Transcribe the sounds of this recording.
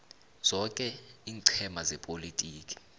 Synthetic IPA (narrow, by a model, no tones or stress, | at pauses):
z̥ɔkʼɛiːŋǀʰɛmazɛpʼolitʼiːkʼi̥